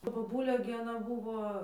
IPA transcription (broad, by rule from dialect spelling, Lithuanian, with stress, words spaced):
tɐ boːˈbʊlʲeː ɡʲɪ ɐˈnɐ ˈbuːʋoː